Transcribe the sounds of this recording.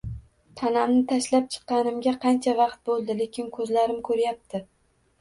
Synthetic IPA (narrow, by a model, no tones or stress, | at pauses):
t̪ʰanamnɪt̪ʰaʃlap̚t͡ʃʰɨ̥qːɑnɪmɡʲaqʰɑnt͡ʃʰavɑqt̪̚bolˠd̪ɪlekʲɪnkʰɵzlaɾɪmkʰɵɾjap̚t̪ʰɪ